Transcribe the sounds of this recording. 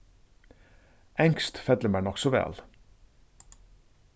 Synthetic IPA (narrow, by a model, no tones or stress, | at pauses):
ɛŋkst̪fɛd̪ləmæːɳɔksɔʋɛ̰ːl